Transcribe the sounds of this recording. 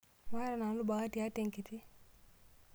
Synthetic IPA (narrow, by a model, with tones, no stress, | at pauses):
wa˦ɾa˨na˨˦lʊ˦ba˨ɣa˦ti˦a˦te˦˨ŋki˨ti˦